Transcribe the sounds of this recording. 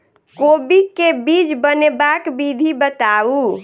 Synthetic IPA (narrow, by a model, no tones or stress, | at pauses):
kobikebid͡ʒbənebakbid̪ʱibət̪au